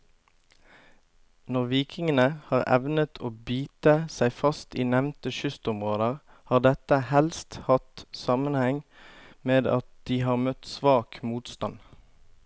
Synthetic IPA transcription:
nɔʁʋiːkɪŋənəhɑːʁɛ̰ʋnət̪ʰoːbiːt̪əsæɪfɑst̪iːnɛʋnt̪əʃʏst̪ʊmʁoːd̪əʁ | hɑːʁd̪ɛt̪əhɛlst̪hɑt̪sɑmənhɛŋ | meːd̪ɑ̰t̪̚d̪̥iːhɑːʁmœt̪sʋɑːkmuːt̪st̪ɑn

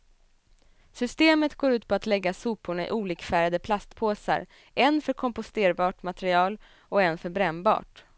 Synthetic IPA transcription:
sʏst̪eːmət̪ɡoːɾʉ̟ːt̪̚pʰɔat̪lɛɡːasuːpʊɳaɪ̰ʔuːliːkfæːɾad̪əpʰlast̪pʰoːsa̰ɾ | ʔɛnfœɾkʰɔmpʊst̪eːɾbɑːʈmat̪ɛɾɪɑːl | ɔɛnfœɾbɾɛmbɑ̰ːʈ

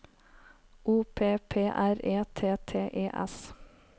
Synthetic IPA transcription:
ʔuːpʰeːpʰeːʔæɾeːt̪ʰeːt̪ʰeːʔeːʔɛ̰s

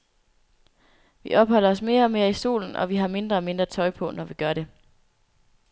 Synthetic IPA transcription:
ʋiʔɒ̽b̥hɒ̽l̰ɐɒ̽sme̝ːɐɒ̽me̝ːɐisṵːln̩ɒ̽ʋiɦɑ̈me̝nd̥ʁɐɒ̽me̝nd̥ʁɐt͡sʰɒ̽ɪpʰɒ̽nɒʋiɡ̥ɶɐɾe̝

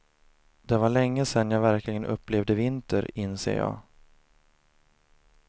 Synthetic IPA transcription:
d̪ɛvaɭɛŋːəsɛnjɑːvæɾkʰlɪɡənʔɵ̰pːleːvd̪əvɪnt̪əɾɪnsḛːɾjɑ̰ː

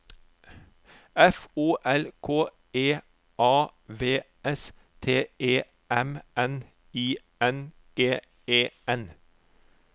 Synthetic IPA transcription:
ɛfuːʔɛlkʰoː | eː | ʔɑːʋeː | ɛs | t̪ʰeːʔeː | ɛmɛn | iː | ɛn | eː | eːɛn

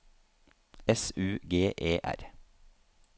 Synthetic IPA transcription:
ɛsʉːɡeːʔeːʔæ̰ɾ

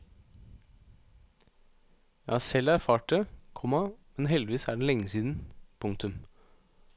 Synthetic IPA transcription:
jɑ̰ːsɛlæɾfɑːʈ̚əkʰɔmɑmɛnɦɛld̪ɪʋiːsæːɖɛlɛŋːəsiːd̪n̩pʰʊŋkt̪ʉm

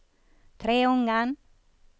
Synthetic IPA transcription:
t̪ʰɾeːʊŋːan

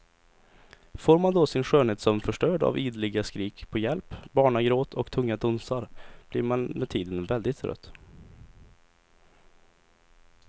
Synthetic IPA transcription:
foːɾmand̪ɔsɪnɧøːɳheːt̪sɔmfœʂʈœːɖa̰viːd̪lɪɡaskɾiːkpʰɔjɛlpbɑːɳaɡɾoːt̪ʰɔkt̪ʰɵŋːad̪ɵnsaɾb̥liɾmanmɛt̪ʰiːd̪ənvɛld̪ɪt̪ɾœ̰t̪ː

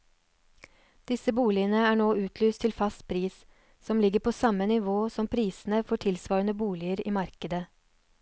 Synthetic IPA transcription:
d̪̥ɪsəbuːlɪənəæːɳoːʉːt̪ʰlyːst̪ʰɪlfɑst̪̚pʰɾiːs | sɔmlɪɡəɾpʰoːsɑmənɪʋoːsɔmpʰɾiːsn̩əfɔʈʰɪlsʋɑːɾənəbuːlɪəɾḭːmɑɾkəd̪ə

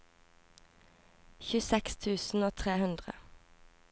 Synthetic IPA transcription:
çʉsɛkst̪ʰʉːsn̩oːt̪ʰʁeːhʉnd̪ʁə̰

